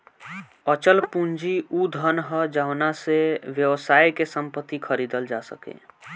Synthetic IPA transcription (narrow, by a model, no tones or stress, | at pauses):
ət͡ʃəlpũnd͡ʒiud̪ʱənɦəd͡ʒawnaseʋjəʋsaːjkesə̃mpət̪ːikʰəɾiːd̪əld͡ʒasə̰kḛ̃ː